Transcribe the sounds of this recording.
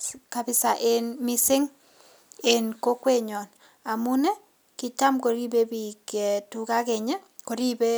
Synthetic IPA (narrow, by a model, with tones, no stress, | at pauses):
ka˨bɪ˦sa˨ʔe˦nmɪ˦sɪ˦ŋ | e˨nko˦kwe˦ɲɔ˨n | a˨mu˦nɛ˦ | kɪ˨ta˦mko˨ɾi˦be˦bi˨ke˨tu˨ka˦kɛ˨ɲɛ˦ko˨ɾi˦be˦